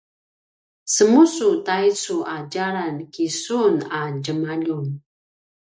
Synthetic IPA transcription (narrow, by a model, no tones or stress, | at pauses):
səmusutajt͡suʔad͡ʒaɾankisunad͡ʒəmaʎun